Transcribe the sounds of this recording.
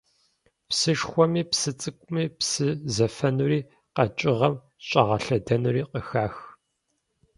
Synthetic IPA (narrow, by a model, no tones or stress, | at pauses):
psɨʂxʷɔmiːpsɨt͡sʼɨkʷʼʊmiːpsɨzɐfɐnuriː | qɐt͡ʃʼɪʁɐm | ɕʼɐʁɐɬɐdɐnuriːqəxaːx